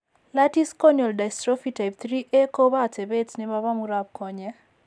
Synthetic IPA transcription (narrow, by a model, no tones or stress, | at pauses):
latiskɔnjɔldajstɾɔfitajp̚t̪ɾiʔekobatɛbetsnɪmaβamuɾap̚kɔɲɛ